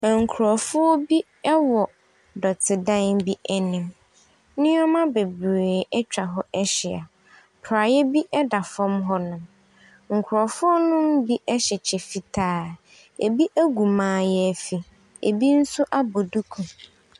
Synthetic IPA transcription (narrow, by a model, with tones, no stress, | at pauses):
ŋ̩˨kʰɾɔ˨fʊ˦ɔ˦bi˦ | ɛ˦wɔ˨ | dɔ˨tʰɪ˨dã˦nbi˦ɛ˦nɪ̃˨m | nɪ̃˦ɔ˦mã˦be˨bɾeː˨ʔɛ˦t͡ɕᶣa˨ɦɔ˦ɛ˦ɕɪ˨a˨ | pʰɾa˨jɛ˦bi˦ʔɛ˦da˨fɔ̃˦mɦɔ˦nʊ̃˨m | ŋ̩˨kʰʊ˨ɾɔ˨fʊ˦ɔ˦nʊ̃˦m̩˦bi˦ʔɛ˦ɕɛ˨t͡ɕʰɛ˨fi˨tʰaː˦ | e˨bi˦ʔæ˦ɡu˨mãː˨˦˨jɛ˦æ˨fi˨ | ḛ˨bi˦n̩˦sʊ˦ʔa˦bo˨du˦kʰũ˨